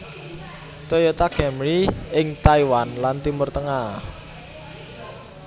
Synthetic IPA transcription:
t̪ojot̪akɛmɾiɪŋt̪aiwanlant̪imʊrt̪əŋah

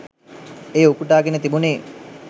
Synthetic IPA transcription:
eːukuʈaːɡenət̪ibuneː

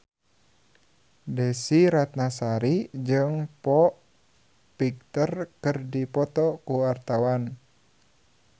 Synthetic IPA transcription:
dɛsiɾat̪̚nasaɾid͡ʒɨŋpɔʔ | pik̚t̪ərkərdipɔt̪ɔkuart̪awan

